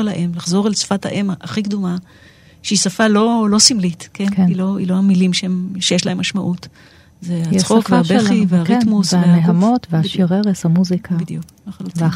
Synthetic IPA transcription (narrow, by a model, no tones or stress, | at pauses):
laʔemlaχzo̞ʁelsfathaʔemaχikd̪uma | ʃeisafalo̞lo̞simlitkenkeniloḭloamilimʃeemʃejeʃlaemːaʃmaʔut | zeajiχsokveaaʃbeliveaʁkit̪musvehaneɦamo̞tvehaʃiʁeʁeshamuzikʰadjuk | aalutva